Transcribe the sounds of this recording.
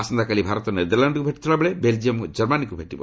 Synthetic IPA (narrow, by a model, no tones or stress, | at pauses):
asɔnd̪ʱakalibʱaɾɔt̪ɔned̪ɔɾlaɳɖkubʱeʈi̥t̪ʰiɭabeɭebeld͡ʒiɔmd͡ʒɔɾmanikubʱeʈibɔ